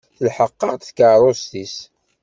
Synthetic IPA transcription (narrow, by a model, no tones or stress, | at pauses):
θəlħəqːɑʁt̪θkəɾˤost̪is